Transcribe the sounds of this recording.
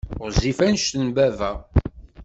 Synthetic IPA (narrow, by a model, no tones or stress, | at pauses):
ʊɾzifænʃt̪ənbævæ